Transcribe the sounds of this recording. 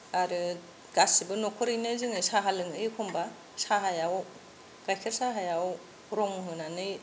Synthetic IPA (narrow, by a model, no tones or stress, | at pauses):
aɾɯ | ɡ̥asibɯnɔkʰɔɾɯjnɯzɯŋɯjsaɦalɯŋɯjkʰɔmba | saɦajaw | ɡ̥ajkʰeɾsaɦajaw | ɾɔŋɦɯnanɯj